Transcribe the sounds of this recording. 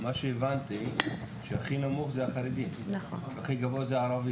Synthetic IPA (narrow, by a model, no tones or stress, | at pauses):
maʃɛːvant̪i | ʃeaχinamuχzɛaχaɾɛd̪imnaχɔ | aχiɡavozɛaɾavi